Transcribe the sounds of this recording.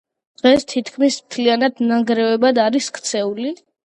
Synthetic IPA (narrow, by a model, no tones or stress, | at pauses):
d̪̥ʁɛst̪ʰit̪ʰkʰmismt̪ʰlianad̪naŋɡɾɛvɛbad̪aɾiskʰt̪sʰɛuli